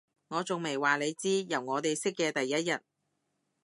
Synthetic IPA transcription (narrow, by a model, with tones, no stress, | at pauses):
ŋɔː˨˧t͡sʊ˨ŋme˨˩jwaː˨le˨˧jt͡siː˥jɐ˨˩wŋɔː˨˧t̪e˨jsɪ˥kːɛː˧t̪ɐ˨jːɐ˥t̚jɐ˨t̚